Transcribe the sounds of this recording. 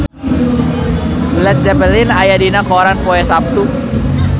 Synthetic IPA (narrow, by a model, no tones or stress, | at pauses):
blɛt̪̚d͡ʒɛpəlɪnajadinakɔɾanpɔɛsap̚t̪u